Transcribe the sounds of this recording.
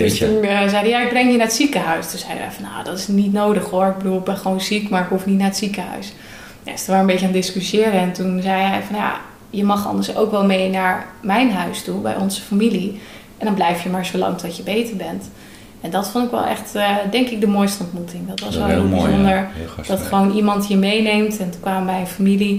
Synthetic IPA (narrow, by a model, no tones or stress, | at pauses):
d̥əstunzɛjdəjaɪɡ̚brɛŋjənaːɹətsikəɦœɥstunz̥ɛjdə̰ʋɛ̰jfɑnja̰dɔtɪsnitnowdəχɦoɹɪɡ̚bəduːlˠbɛnχʋownzikmaɹɪkɦufnitnaːɹətsikəɦœ̰ɥs | na̰stəʋaːɹəmbejcəaːndɪskysjɪːɾəɛntunzɛjɛjfɑnja̰ | jəmɑχɑ̰ndəɹso̰wkʋɛlˠmejnaːɹmɛjnɦœɥstubɛ̰jɔnzəfamili | ʔɛndɑnblɛjfjəmaːɹzolɑ̰ŋtɔtjəbejtəɹbɛnt | ɛndɔtfɔntɪkʋɛ̰lˠʔɛ̰χtdɛŋkɪk̚dəmoːjstəɔntmutɪŋdɔtʋɑsʋɛlˠɦɪlˠbiozɔndəɹd̥ɑtχəʋownimɑntɦəɹmejnejmtɛntukʋaːməbɛjənfamili